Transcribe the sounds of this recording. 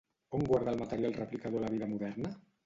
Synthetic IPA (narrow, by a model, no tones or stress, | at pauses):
oŋɡwaɾðalˠmat̪əɾjalˠrəplikaðolaβiðəmuðɛɾnə